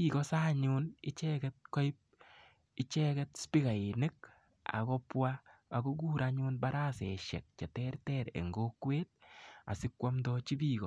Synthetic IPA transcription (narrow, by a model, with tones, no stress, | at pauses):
pi˦kɔ˦saː˦ɲu˦nɪ˦t͡ʃɛkɛt̚kɔ˦ɪp̚ | ɪ˦t͡ʃɛ˦kɛtspi˦ka˨ɪ˨nɪ˦k̚ | a̰˨kɔ˦pwaː˨ko˦ɡ̬uː˦ɾaɲu˦nba˦ɾa˦sɛ˨ʃɛ̰˨k̚t͡ʃɛ˨tɛrtɛɾḛ˨ŋɡokweːt̚a̰˨sɪ˦kwa˦mdɔt͡ʃi˦biː˦kɔ˨